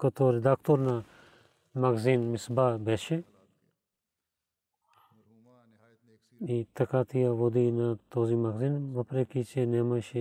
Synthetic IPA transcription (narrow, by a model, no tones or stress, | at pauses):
kɐt̪ʰoɾid̪aːkt̪oɾna | mɐɡzinmisbaːbeʃe | it̪ɐkaːt̪ʰijaʋod̪inat̪oːzimɐɡzinʋɐpɾekit͡ʃenemɐʃe